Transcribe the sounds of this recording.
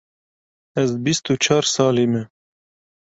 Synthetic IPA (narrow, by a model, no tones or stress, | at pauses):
ɐzbist̪ut͡ʃʰaːɾsaːlime